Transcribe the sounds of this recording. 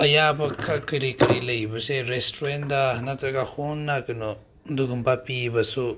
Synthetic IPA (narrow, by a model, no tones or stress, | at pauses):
ajabakʰakɨɾikaɾilejbuseɾest̪ɾwend̪ahanãt͡sakahunãkɨnõ | nd̪ukumbapiβasu